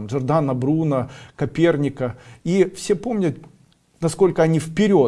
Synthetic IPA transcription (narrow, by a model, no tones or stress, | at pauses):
mʐɨrd̪anɐbɾunəkɐpʲe̞rnʲɪkəifsʲepo̞mnʲət̪ | nɐsko̞lʲkəɐnʲifpʲɪɾʲo̞